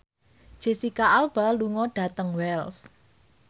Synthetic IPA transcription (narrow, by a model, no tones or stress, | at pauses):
d̥ʒ̥e̤sikaʔalb̥a̤luŋɔɖ̥ä̤t̪əŋwɛls